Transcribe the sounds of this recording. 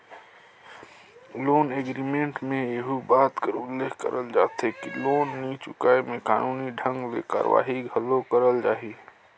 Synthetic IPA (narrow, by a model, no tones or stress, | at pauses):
loːneːɡɾimẽːɳʈmẽeɦubaːt̪kəɾʊlːeːɡkə̰ɾəld͡ʒaːt̪ɦekiloːnːit͡ʃʊkaːemẽka̰ːnuːniɖʱə̃ŋɡlḛka̰ːɾ̰ʋa̰ːɦiɡʱɐlokəɾəld͡ʒaːɦi